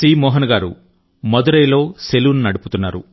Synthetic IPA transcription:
iːmɔːɦɐnɐɡaːɾṵ | mɐd̪uɾɐjlo̞ːseluʋnunɐɽupu̥t̪unːaːɾṵ

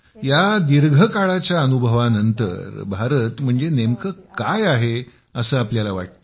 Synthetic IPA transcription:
jad̪iɾɡʱəkaɭat͡ɕjaənubʱəʋanənt̪ə̰ɾbʱaɾət̪m̤əɳd͡zenemkəkajaɦe | əsəːapljalaʋa̰ʈ̚t̪

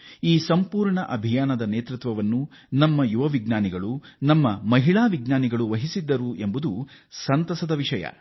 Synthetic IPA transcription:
iːsɐmpuːɾɳɐʔɐbʱijaːnɐd̪ɐneːt̪ɾut̪ʋɐʋɐnːu | nɐmːɐjuʋɐʋiɡnaːniɡɐɭunɐmːɐmɐɦiɭaːʋiɡnaːniɡɐɭuʋɐɦisid̪ːɐɾue̞mbud̪usɐnt̪ɐsɐd̪ɐʋiʂɐjɐ̰

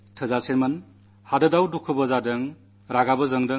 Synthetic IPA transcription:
tʰɯzaseɾmɐn | hadɐdawdukʰːɯbɐzadɐŋ | ɾaɡabɐzɐŋdɐ

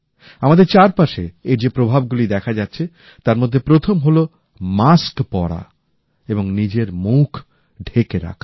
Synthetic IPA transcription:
amad̪eɾt͡ɕaɾpaʃḛeɾd͡ʑepɾobʱab̚ɡulid̪ɛkʰad͡ʑatːɕʰe | t̪aɾmod̪ʱːepɾot̪ʰomɦolo | maskpɔɽa̰ | eboŋnid͡ʑeɾmukʰ | ɖʱekeɾa̰kʰa

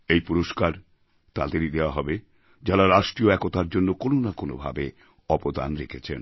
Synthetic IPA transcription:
ejpuɾoʃkaɾ | t̪ad̪eɾid̪eoaɦɔbe | d͡ʑalaɾaʃʈɾioɛkot̪aɾd͡ʑonːokononakono̰bʱa̰be | ɔpod̪a̰nɾekʰet͡ɕʰḛn

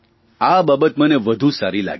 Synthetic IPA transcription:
ababət̪məneʋəd̪ʱũsaɾila̰ɡ

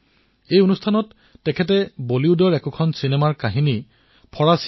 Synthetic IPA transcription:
ejonustʰanɔtː | ɛkʰɛt̬ɛboliʊdɔɹɛkʊkʰɔnsinemaɹkaɦini | pʰɔɹas

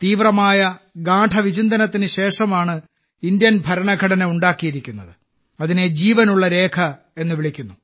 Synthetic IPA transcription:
t̪iːʋrɐmaːjɐɡaːʈʰɐʋit͡ɕind̪ɐnɐt̪ːinɨɕe̞ːʂɐmaːɳɨ | ind̪jɐnbʱɐɾɐɳɐɡʱɐɽɐneuɳɖaːkːijiɾikʲːunːɐðɨ | ɐðine̞d͡ʑiːʋɐnuɭːɐɾe̞ːkʰɐ | e̞nːɨʋiɭikʲːunːu

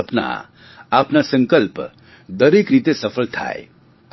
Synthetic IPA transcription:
əpna̰ | apnasə̃ŋkəlp | d̪əɾikɾit̪esəpʰəlt̪ʰa̰ḛ

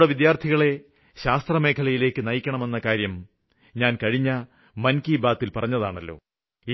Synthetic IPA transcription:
ɽeʋid̪jaːrt̪ʰiɣɐɭe̞ | ɕaːst̪rɐme̞ːkʰɐlɐjile̞ːkːɨnɐjikʲːɐɳɐme̞nːɐkaːɾjɐm | ɲaːnkɐɻiɲːɐ | mɐnkiːbaːt̪ːilpɐrɐɲːɐðaːɳɐlːo̞̰ː | i

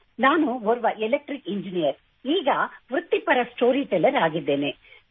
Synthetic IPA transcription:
naːnuʋɔɾʋɐʔelek̚ʈɾikiɲd͡ʒinijɐɾ | iːɡɐʋɾut̪ːipɐɾɐsʈoːɾiʈɛlɐɾaːɡid̪ːeːne

